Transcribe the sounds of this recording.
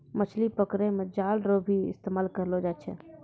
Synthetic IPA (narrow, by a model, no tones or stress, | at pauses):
mət͡ʃʰlipəkɾemed͡ʒalɾobʱiɪ̰st̪emaːlkəɾlod͡ʒat͡ʃʰɛ̰